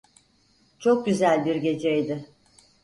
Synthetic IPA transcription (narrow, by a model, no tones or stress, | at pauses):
t͡ʃʰok̚ɟyzælʲbiɾɟe̞d͡ʒejd̪ɪ